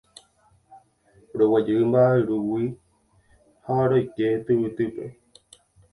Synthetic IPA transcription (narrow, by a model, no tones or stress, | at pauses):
ɾowad͡ʒɨʔɨmbaʔɨɾuwi | haɾojket̪ɨwɨt̪ɨpe̞̰